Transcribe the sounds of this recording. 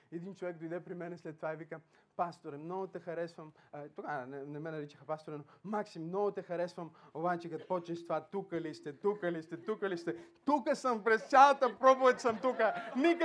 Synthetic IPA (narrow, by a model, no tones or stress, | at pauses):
ɛd̪int͡ʃovɛk̚d̪ojd̪ɛpɾimɛnɛslɛt̪ːovaɛvikə | past̪oɾɛmnɔɡot̪ɛxɐɾɛsvəmt̪okanɛnɛmɛnɐɾit͡ʃəxɐpast̪oɾɛnomaksimmnɔɡot̪ɛxɐɾɛsvɐmobat͡ʃɛkɐt̪pɔt͡ʃɛst̪ovat̪ukəlist̪ɛt̪ukəlist̪ɛt̪ukəlist̪ɛt̪ukəsəmpɾɛst̪sʲalˠɐt̪əpɾɔpovɛt̪ʲsɐmt̪ukənik